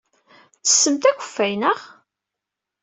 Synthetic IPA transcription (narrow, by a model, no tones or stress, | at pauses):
θə̥sːəmt̪æçə̥fːæjnəʁ